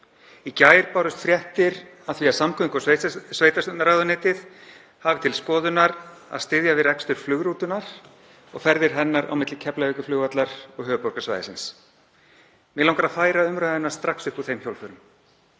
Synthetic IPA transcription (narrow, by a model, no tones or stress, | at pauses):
icaːjɪɾpawɾʏst̪fɾjɛht̪ɪɾaðθviaðsamkʰʏŋkɔsesveːjt̪asnaɾaːɣðʏneːt̪ɪð | havɪ̥t̪ʰɪlskɔːðʏnaɾa̰ðst̪ɪðjavɪðɾɛkst̪ʏɾ̥flʏɣɾuːt̪ʏnaɾ̥ | ɔɣfɛɾðɪɾ̥ɦɛnːaɾa̰wmɪt̪lɪcʰɛplaʏkʏflʏːɣat̪laɾ̥ɔɣhœːvʏpɔwɾkasva̰ːjðɪ̰sɪns | mɪlawŋkaɾaðfaːjɾaʏmɾœɪnːḁst̪ɾaksʏhpuθejmçowlfœɾʏm